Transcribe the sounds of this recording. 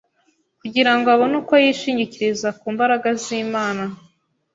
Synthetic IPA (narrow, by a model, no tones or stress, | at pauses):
kuɟiɾaŋɡoaβonukwajiʃiːɲɟiciɾizakuːmbaɾaɡaziːmaːna